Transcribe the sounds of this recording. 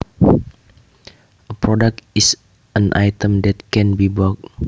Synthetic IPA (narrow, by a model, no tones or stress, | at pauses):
əpɹɔdak̚tis | ə̃nʔa̰jt̪ə̃mdɛt̪̚kɛ̃nbibək̚